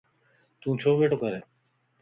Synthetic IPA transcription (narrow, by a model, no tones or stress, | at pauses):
t̪ũːt͡ʃʰoːʋeːʈoːkəɾeː